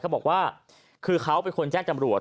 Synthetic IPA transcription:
a˦˥wbɔː˨˩kwaː˥˩ | kʰɯː˧kʰa˦˥wpe˧nkʰo˧nt͡ɕɛː˥˩ŋt͡ɕa˧mɾu˨˩ət

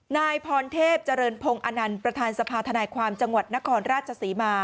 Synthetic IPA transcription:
naː˧jpʰɔː˧nt̪ʰeː˥˩p̚t͡ɕa˧ɾɤː˧npʰo˧ŋʔa˧na˧npɾa˧t̪ʰaː˧nsa˧pʰaː˧t̪ʰa˧naː˧jkʰwaː˧mt͡ɕa˧ŋwa˨˩t̪̚na˦˥kʰɔː˧nɾaː˥˩t̪̚t͡ɕʰa˧siː˩˦maː˧

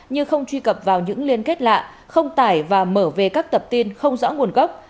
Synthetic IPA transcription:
ɲɨ˧xə˧wŋ͡mt͡ɕwi˧kə˨˩p̚vaː˨˩wɲɨ̰˧˥ŋli˧ənke˦˥t̚la̰ː˧˨ʔ | xə˧wŋ͡mt̪aː˧˩jvaː˨˩məː˧˩ve˨˩kaː˦˥k̚t̪ə˨˩p̚t̪i˧nxə˧wŋ͡mzɔ̰˧˥ŋu˨˩ənɣə˦˥wk͡p̚

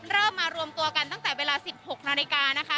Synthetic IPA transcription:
ɾɤː˥˩mmːaː˧ɾu˧əmt̪u˧ɐka˧nt̪a˥˩ŋt̪ɛː˨˩weː˧laː˧si˨˩p̚ho˨˩k̚naː˧li˧kaː˧na˦˥kʰa˦˥

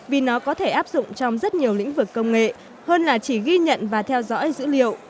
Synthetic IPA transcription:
vi˨˩nɔ˨˦kɔ˨˦t̪ʰe˧˩ʔaː˦˥p̚zʊ̰˧˨ŋ͡mt͡ɕɔ˧wŋ͡mzə˦˥t̚ɲi˨˩əwlḭ̈˧˥ŋ̟vɨ˨˩kːə˧wŋ͡mŋḛ˧˨ | həː˧nlaː˨˩t͡ɕi˧˩ɣi˧ɲə̰˧˨nvaː˨˩t̪ʰɛ˧wzɔ̰˧˥jzɨ̰˧˥lḭ˧˨əw

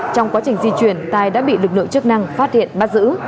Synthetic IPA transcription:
t͡ɕɔ˧wŋ͡mkwaː˨˦t͡ɕï˨˩ŋ̟zi˧t͡ɕwi˧˩ənt̪aː˨˧˩jɗa̰ː˧˥ɓḭ˧˨lɨ˨˩k̚lɨ̰˧˨t͡ɕɨ˦˥ək̚na˧ŋfaː˦˥t̚hḭ˧˨ənɓaː˧zɨ̰˧˥

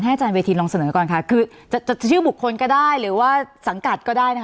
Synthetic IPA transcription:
t̪ʰa˥˩˨t͡ɕaː˧nweː˧t̪ʰiː˧lɔː˧ŋsa˧nɤː˩˦kɔː˨˩nkʰa˦˥˩kʰɯː˧ | t͡ɕa˨˩t͡ɕa˨˩˨t͡ɕʰɯː˥˩bu˨˩kʰːo˧nkɔː˥˩daː˥˩jɾɯː˩˦waː˥˩sa˩˦ŋka˨˩t̪̚kɔː˥˩daː˥˩jna˦˥

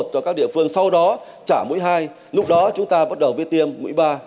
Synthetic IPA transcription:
t̚t͡ɕɔ˧kaː˦˥k̚ɗḭ˧˨ənfɨ˧əŋsa˧wɗɔ˨˦ | t͡ɕaː˧˩mṵ˧˥jɦaː˧j | lʊ˦˥k͡p̚ɗɔ˨˦t͡ɕʊ˨˦ŋ͡mt̪aː˧ɓə˦˥t̚ɗə˨˩wvḭ˨˦˥t̪i˧əmːṵ˧˥˦jɓaː˧

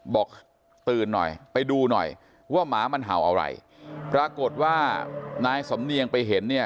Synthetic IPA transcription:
bɔː˨˩k̚ | t̪ɯː˨˩nːɔ̰˨˩jpa˧jduː˧nɔ̰˨˩j | waː˥˩maː˩˦ma˧nɦa̰˩˦wʔa̰˧wɾa̰˧j | pɾaː˧ko˨˩t̪̚waː˥˩naː˧jsa˩˦mni˧əŋpa˧jɦe˩˦nːi˥˩ɐ

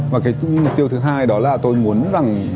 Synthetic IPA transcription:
vaː˨˩kaː˨˦jmo˨˩k͡p̚t̪i˧əwt̪ɨ˨˦ɦaː˧jɗɔ˨˦laː˨˩t̪o˧jmu˨˦ənza˨˩ŋ

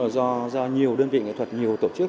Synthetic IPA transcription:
zɔ˧zɔ˧ɲi˨˩əwɗəː˧nvḭ˧˨ŋḭ˧˨t̪ʰə˨˩t̚ɲi˨˩əwt̪o˧˩t͡ɕɨ˦˥k̚

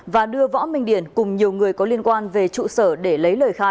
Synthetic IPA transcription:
vaː˨˩ɗɨ˧əvɔ̰˧˥mï˧ŋ̟ɗi˧˩ənkʊ˨˩ŋ͡mɲi˨˩əwŋɨ˨˩əjkɔ˨˦li˧ənkwaː˧nve˨˩t͡ɕṵ˧˨səː˧˩ɗe˧˩lə˨˦jləː˨˩jxaː˧j

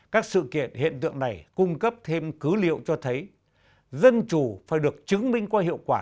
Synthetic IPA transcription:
kaː˦˥k̚sɨ̰˧˨kḭ˧˩˨ənhḭ˧˨ənt̪ɨ̰˧˨əŋna˨˩jkʊ˧ŋ͡mkə˦˥p̚t̪ʰe˧mkɨ˨˦lḭ˧˨əwt͡ɕɔ˧t̪ʰə˨˦j | zə˧nt͡ɕu˧˩faː˧˩jɗɨ˨˩ək̚t͡ɕɨ˨˦ŋmï˧ŋ̟kwaː˧hḭ˧˨əwkwaː˧˩

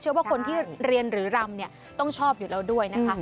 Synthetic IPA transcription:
t͡ɕʰɯ˥˩ɐwa˥˩kʰo˧nt̪ʰiː˥˩ɾi˧ənɾɯː˩˦ɾa˧mni˥˩ə | t̪ɔ˥˩ŋt͡ɕʰɔː˥˩p̚juː˨˩ɾɛː˦˥wdu˥˩əjna˦˥kʰa˦˥

